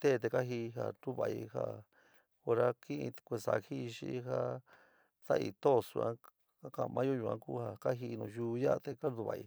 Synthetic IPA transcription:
t̪e˦˨˧t̪̬e˧ka˦ɦi˧ɦa̰˧˨t̪u˦βa˧ʔi˧ha̰˦˧ | o˧ɾa˦ki˦ʔĩ˧kʷe˧˨sa̰˧hi˦˧ʃi˧˦ɦa˦ | t̪a˦ʔḭ˧t̪o˦˨sṵ˧˨ã˧˦ | ka˦kã˧mʔã˧˦jo˦˧jũ˧ã̰˧ku˦ha˧˨ka˦ɦi˧nũ˧ʒuː˧˦˧ja˦˧t̪e˧ka˦nd̪u˧βa̰˨ʔḭ˧

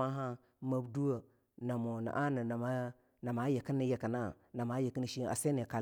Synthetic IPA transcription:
a˦ɦa˦ | ma˨bdu˦wə˨ | na˨mo˨na̰˨ʔa˦nə˨na˨ma˦ | na˨ma˨˦je˨ki˦ni˨je˨ka˨na˦ | na˨ma˦je˨kə˦ni˨ʃi˦a̰˨se˦ni˨ka˨

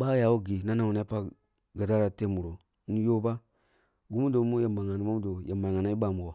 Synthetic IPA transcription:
ɓa˦ja˨wo˦ɡi˨na˦na˨u˨ne˦pa˦˨ | ɡa˨da˦ɾa˨te˦˨mu˨ɾo˨˦ | n̩˦jo˦ba˦ | ɡu˦mu˦do˨˦mu˦ja˨ma˨ŋa˨ni˨mo˦m˦do˨ja˨ma˨ŋa˨na˨˦i˦ɓa˨mu˨ɡo˨

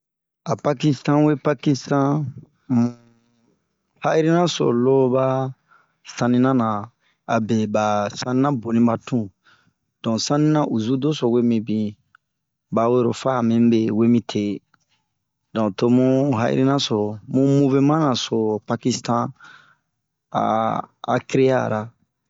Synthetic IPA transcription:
a˨pa˧ki˦stã˦we˦pa˦ki˦stã˦ | ha˦ʔi˦ɾi˦nã˦so̰˨lo˦ba˦ | sã˧nĩ˧nã˦nã˨ | a˨be˨ba˨sã˧nĩ˦nã˦bo˨nĩ˦ba˨tũ˦ | d̥ɔ̃˨sã˦nĩ˦nã˦ʔu˨zu˦do˦so˨we˦mĩ˧bĩ˨ | ba˨we˦ɾo˨fa˦˨mĩ˦m˦be˨we˦mĩ˦tʰe˨ | dɔ̃˨to˧mũ˦ɦa̰˦ʔḭ˦ɾi˦nã˦so˨ɾmũ˦mũ˦ve˦mã˦nã˨so˨pa˧ki˧stã˦ | a̰˨a̰˨ki˦ɾe˦ja̰˦˨ɾa˨

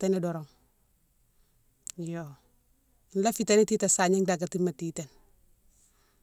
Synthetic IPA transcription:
tɛni˦dɔɾɔ˨ŋ | jo | inla˦fita˦ni˦ti˦tasa˨ɲi˦ŋdaɡa˨ti˦mati˦ten

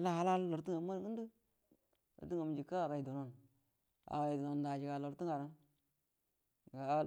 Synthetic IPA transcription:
la˦ha˦la˦lːo˨ɾti˦ŋa˨˦ma˦ɾɡi˦n˦di˦ | lo̰˨ti˦ŋa˨m˨d͡ʒi˨ka˦a˨ɡa˨i˨do˨no˨n | a̰˨ɡa˨i˨do˨no˨nda˨d͡ʒi˨ɡa˨lo˨ɾti˦ŋa˨ɾa˦˨ | ɡa˨˦

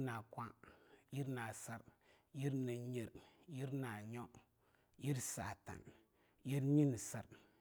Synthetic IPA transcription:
na˨kʷã˦ji˦ɾna˨sa˨ɾ | ji˦ɾnə˨ɲi˨ɾji˦ɾna˨ɲɔ˦ | ji˦ɾsa̰˨ta̰˨n | ji˦ɾɲi˦n˨sa˨ɾ

